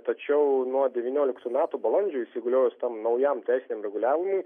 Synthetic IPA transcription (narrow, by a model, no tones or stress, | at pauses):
t̪ɐt͡ʃʲɛʊnuɔd̪ʲɛʋʲinʲoːlʲɪkt̪uːmʲæːt̪uːbɐlˠɐnʲd͡ʒʲoːisʲɪɡʊlʲoːjʊst̪ɐmnɐʊjɛmt̪ʲæɪsɪnʲɛːmɾʲɛɡʊlʲæːʋʲɪmʊɪ